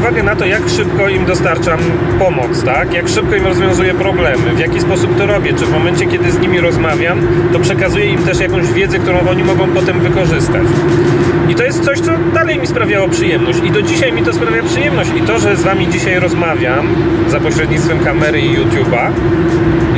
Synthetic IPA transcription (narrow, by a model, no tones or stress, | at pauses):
vaɡɛnat̪ɔjakʂɘpkɔimd̪ɔst̪aɾt͡ʂam | pɔmɔt̪st̪akjakʂɘp̚kɔimɾɔzvjɔ̃w̃zujɛpɾɔblɛmɘvjakʲispɔsup̚t̪ɔɾɔbʲjɛt͡ʂɘvmɔmɛnt͡ɕɛkʲjɛd̪ɘzɲimʲiɾɔzmavʲjam | t̪ɔpʂɛkazujɛimt̪ɛʂjakɔ̃w̃ʑvʲjɛd̪zɛkt̪uɾɔ̃w̃ʔɔɲimɔɡɔ̃w̃pɔt̪ɛmvɘkɔʐɘst̪a̰t͡ɕ | it̪ɔjɛst̪sɔɕt̪sɔd̪alɛjmʲispɾavʲjawɔpʂɘjɛmnɔɕt͡ɕid̪ɔd͡ʑiɕajmʲit̪ɔspɾavʲjapʂɨjɛmnɔɕt͡ɕit̪ɔʐɛzvamʲid͡ʑiɕajɾɔzmavʲjamzapɔɕɾɛd̪ɲit̪t̪fɛmkamɛɾɘijut̪juba